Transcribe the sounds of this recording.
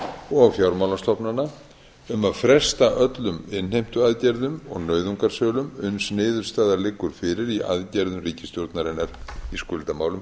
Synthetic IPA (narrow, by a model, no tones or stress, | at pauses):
ɔɣɣaɣfjawɾmawlast̪ɔpnanːa | ʏmaðfɾɛr̥st̪aʔœt̪lʏmɪnhejm̥t̪ʏaðcɛɾðʏmɔ̰ɣnœːɥðuŋkaɾ̥sœːlʏmʏnsnɪːðʏɾ̥st̪aːðalɪkːʏɾ̥fɪːɾɪɾiʔa̰ðcɛɾðʏmriːcɪst̪jowɾt̪naɾɛnːaɾ̥iskʏlt̪amaːwlʏm